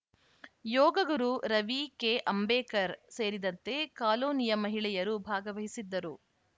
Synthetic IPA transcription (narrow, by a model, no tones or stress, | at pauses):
jɔːɡɐɡɐɾuɾɐʋike̞ʔɐmbɛːkɐɾseːɾid̪ɐnt̪e̞kaːloːnijɐmɐɦiɭɛjɐɾubʱaːɡɐʋɐɦisid̪ːɐɾu